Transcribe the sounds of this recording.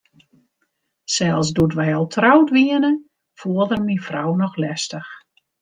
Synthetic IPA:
sɛlˠsdutʋɛjɔlˠtʰrawtʋiənə | fuəlˠdərminfrawnɔxlɛstəx

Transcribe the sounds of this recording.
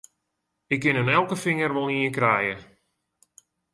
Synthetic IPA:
ɪkːɪnənɛlˠkəfɪŋərʋɔlˠiəkrɛjə

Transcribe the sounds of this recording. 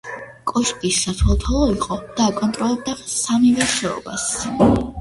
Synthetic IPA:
kʼɔʃkʼisːat̪ʰɛlˠt̪ʰalˠɔiqʼɔd̪̥aːkʼɔnt̪ʼɾɔlˠɛb̚d̪asamivɛɾʃɛɔ̰bas

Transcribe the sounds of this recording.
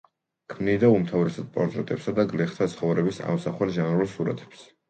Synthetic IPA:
kʰmnid̪aumt̪ʰavɾɛsad̪̚pʼɔɾt̪ʼɾɛt̪ʼɛpsad̪aɡlɛχt̪ʰat̪sʰχɔvɾɛbisa̰msaχwɛlˠʒanɾulˠsuɾa̰t̪ʰɛ̥ps

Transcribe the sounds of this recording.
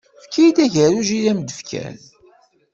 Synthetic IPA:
fkijd̪æʝəɾuʒilæmd̪əfkʰæ̰n

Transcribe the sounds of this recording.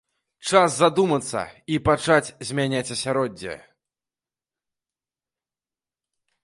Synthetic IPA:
t͡ʂaszad̪umɐt̪sːɐ̰ipat͡ʂat͡sʲzʲmʲanʲat͡sʲɐsʲaɾɔd͡zʲːɛ̰

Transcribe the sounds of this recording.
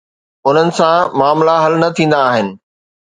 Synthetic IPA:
ʊn̤ənɪ̆sãmaːmlaɦɐlnɐt̪ʰĩːnd̪aːɦɪnɪ̆

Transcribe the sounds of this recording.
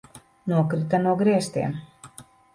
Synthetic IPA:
nuɔkɾɨt̪anuɔɡɾiɛst̪ḛːm

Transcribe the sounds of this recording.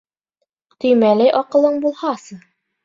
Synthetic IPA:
t̪ɵ̆jmælæjʔɒqɤ̆lˠɤɴbulˠhɑsɤɴ

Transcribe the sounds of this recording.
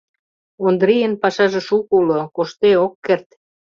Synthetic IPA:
ond̪ɾijənpɑʃɑʒĕʃukulokoʃt̪eokːert̪

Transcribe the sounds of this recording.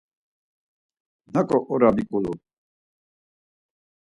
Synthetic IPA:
nakʼɔʔɔɾabikʼulu

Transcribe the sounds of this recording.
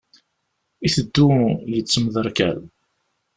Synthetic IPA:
iθəd̪ːujət͡sːəmðəɾˤkæl

